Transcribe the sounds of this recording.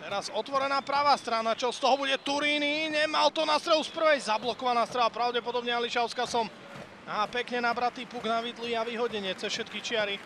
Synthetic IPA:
t̪ɛɾazɔt̪ʋɔɾɛnaːpɾaʋaːst̪ɾanat͡ʃɔst̪ɔɦɔbuɟɛt̪uɾiːniɲɛmalt̪ɔnast̪ɾɛɦuspr̩ʋɛjzablɔkɔʋanaːst̪ɾɛʋapɾaʊɟɛpɔd̪ɔbɲɛaliʃaʊskasɔm | aːpɛkɲɛnabɾat̪iːpuɡnaʋiːd̪luiaʋiɦɔɟɛɲɪɛt͡sɛfʃɛt̪kit͡ʃɪaɾi

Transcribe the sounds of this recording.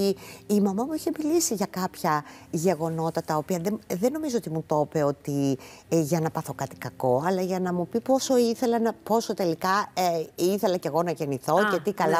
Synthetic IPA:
iːmɐmɐmuiçe̞milisiʝɐkɐpçɐʝe̞ɣo̞no̞t̪ɐt̪ɐopiɐðeðe̞no̞mizoot̪imut̪o̞pe̞o̞t̪i | ʝɐnɐpɐθo̞kɐt̪i̥kɐko̞ɐlɐʝɐnɐmupipo̞so̞iθe̞lɐnɐpo̞sot̪e̞likɐ | iθe̞lɐce̞ɣo̞nɐʝe̞niθo̞cet̪ikɐlɐ

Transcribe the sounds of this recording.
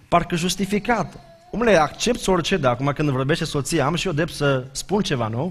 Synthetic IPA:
parkəʒust̪ifikat̪ | umleakt͡ʃe̞p̚t̪sort͡ʃe̞d̪aːkumakɨnd̪vo̞rbe̞ʃt̪eso̞t̪sijaamʃiod̪ɾep̚t̪səspunt͡ʃe̞vano

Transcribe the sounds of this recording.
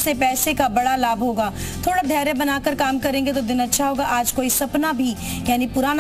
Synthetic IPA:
sepɛːsekabɐɽalaːbɦoːɡaː | t̪ʰoːɽaɖʱɛːɾebənaːkəɾkaːmkɐɾẽːɡet̪̬od̪ɪnɐtːʃʰaɦoːɡaʔaːd͡ʒkoːisɐpnabʱi | jaːnipʊɾaːn

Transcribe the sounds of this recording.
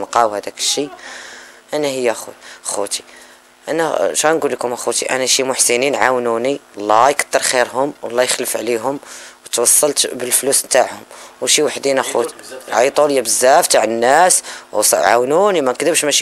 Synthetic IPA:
nqɑwhæd̪ækə̥ʃːi | ʔænæhəjːææxṵxut̪i̥ | ʔænæʃænɡulːkʊmʔæxut̪iʔæ̰næʃimʊħsəninʕawnuniwlˤːɑjkə̥d̪̥ːəɾˤxiɾɦʊmwɑlˤːɑjəxləfʕliɦʊmwət̪wɑsˤːɑlt̪bəlflusnt̪aʕhʊmwʃiwaħd̪inæxut̪iʕɑjt̪ˤuljːæbəzːæft̪aʕənːæssˤʕa̰wnunimænkd̪əbʃmæʃ

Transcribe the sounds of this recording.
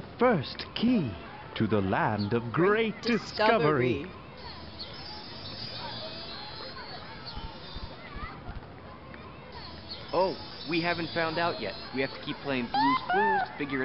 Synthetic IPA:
ðəfɜ˞stkʰi | ɾʰɨðəlæ̃ndʌvɡɹeɪt̚d̥ɨskkʌvə˞i | ʔoʊ | wiɦævɨ̃n̩tfãʊ̃ndaʊʔjɛ̰t̚wihæftʰə̥kʰipʰl̥eɪɪ̃ŋbluskuzfɪɡjə˞ɨ

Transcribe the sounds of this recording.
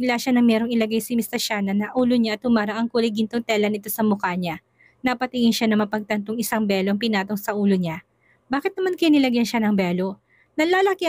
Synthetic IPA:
laʃanɐŋmɛɾo̞ŋɪlɐɡajsɪmɪst̪ɐʃaːnɐnɐʔuːloɲaʔɐt̪ːʊmaːɾɐʔɐŋkuːlɐjɡɪnt̪oŋt̪ɛlɐnɪt̪o̞sɐmʊkaɲa | nɐpɐt̪ɪŋɪnʃanɐŋmɐpɐɡ̚t̪ɐnt̪oŋɪsaŋbɛːloʔɐŋp̬ɪnaːt̪o̞ŋsɐʔuːloɲa | baːkɪt̪nɐmankɐjnɪlɐɡjɐnʃanɐŋbɛːlo̞ | nɐlaːlɐki

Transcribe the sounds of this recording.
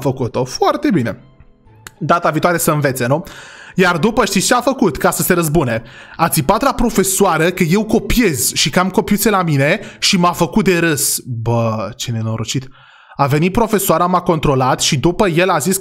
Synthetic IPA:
fəkut̪o̞foart̪e̞bine | d̪at̪aviːt̪oaɾesəɨnve̞t̪se̞nujard̪upəʃt̪itt͡ʃeafəkut̪kasəse̞ɾəzbune̞at̪sʲipat̪lapɾo̞fe̞soaɾəkəje̞wko̞pije̞zʃikəamko̞piut̪sʲelamine̞ʃimafəkut̪̚d̪e̞ɾəsbət͡ʃene̞no̞ɾot͡ʃit̪ | ave̞nit̪̚pɾo̞fe̞soaɾəmako̞nt̪ɾo̞lat̪ʃid̪upəje̞lazis

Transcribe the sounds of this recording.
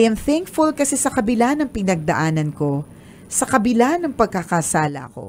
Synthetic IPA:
jɐmθɛŋkfulkɐsɛsɐkɐbɪlanɐŋpɪnɐɡ̚d̪ɐʔaːnɐnko̞ | sɐkɐbɪlanːɐŋpɐɡ̚kakasaːlɐ̰ʔɐ̰ko̞̰

